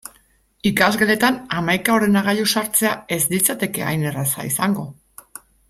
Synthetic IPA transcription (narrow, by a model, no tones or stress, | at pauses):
ikazɣe̞le̞t̪anamajkao̞ɾe̞naɣaʎusaɾt͡se̞ae̞zd̪it͡sat̪e̞ke̞a̰jne̞rasa̰isaŋɡo̞